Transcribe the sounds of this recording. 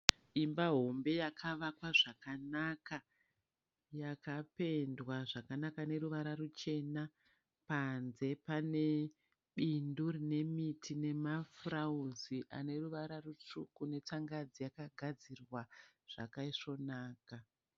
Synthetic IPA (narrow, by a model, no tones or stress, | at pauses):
imbaɦo̞mbe̞jakʰaʋakwaʐakanaka | jakape̞ndwaʐakanakane̞ruʋaɾarut͡ʃe̞na | panze̞pane̞ | ɓindurine̞mitʰine̞mafrauziʔa̰ne̞ruʋaɾarut͡ʂukune̞t͡saŋɡad͡zijakaɡʱad͡zirwaʐ̥a̰kaiʂo̞naːka